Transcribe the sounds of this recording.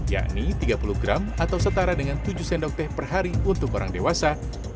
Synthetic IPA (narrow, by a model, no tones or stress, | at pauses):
ja̰ʔnit̪iɡapuluɡɾamat̪awsət̪aɾadəŋant̪ud͡ʒusɛndɔk̚t̪ɛhpərɦaɾiunt̪ʊkoɾʔa̰ŋdewasa